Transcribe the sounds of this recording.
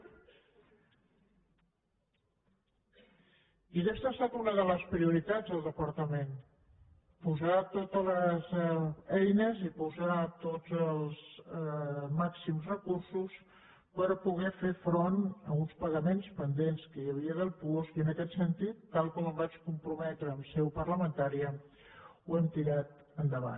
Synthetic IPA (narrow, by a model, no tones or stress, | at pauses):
iðest̪aəst̪at̪unəðələspɾiuɾit̪ad͡zðəlˠd̪əpəɾt̪əmen | puzat̪ot̪ələzɛjnəzipuzat̪od͡zəlˠz | maksimzrəkursus | pəɾpuɣ̞ɛfefɾonəunspəɣəmenspənd̪enskəjəβiəðəlˠpuosiənəkɛt̪sənt̪it̪ːalˠkɔməmbat͡ʃkumpɾumɛt̪ɾəːmsɛwpəɾləmənt̪aɾiə | wɛmt̪iɾat̪ | ənd̪əβa̰n